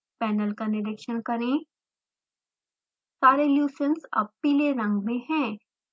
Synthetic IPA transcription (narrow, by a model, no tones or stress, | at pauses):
pɛːnəlkanɪɖɪkʃənkɐɾẽ | saːɾeljuːsə̃nsɐ̰b̚piːleɾɐ̃ŋɡmẽɦɛ̃ː